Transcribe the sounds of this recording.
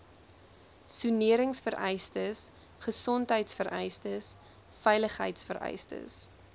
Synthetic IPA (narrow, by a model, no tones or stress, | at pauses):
suniəɾəŋsfəɾʔɛjstəs | χəsɔntɦəjtsfəɾɛ̰jstəs | fɛjləχɦə̰jtsfəɾɛ̰jstə̰s